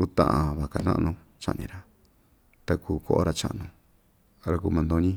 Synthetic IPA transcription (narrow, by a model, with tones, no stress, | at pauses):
u˦t̪ã̰˧ʔã˧βa˨ka˧nã̰˦ʔnũ˧ | t͡ʃa̰˧ʔnĩ˧ɾa˨ | t̪a˧kuː˧ko˦ʔo̰˦ɾa˧t͡ʃã̰˧˦ʔnũ˧ | ɾa˧ku˧mã˧nd̪õ˧˦ɲĩ˦